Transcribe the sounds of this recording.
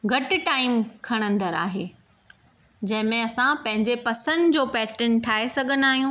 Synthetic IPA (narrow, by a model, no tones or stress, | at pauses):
ɡʱɐʈɪʈaːɪmkʰɐɽ̃ə̃nd̪əɾa̰ːɦeː | d͡ʑɐ̃ɦɪ̃mẽɐsãpɐ̃ɦɪ̃ɲd͡ʑepɐsənd̪d͡ʑoːpɛːʈɾənʈʰaːesɐɡʱənaːɦijũː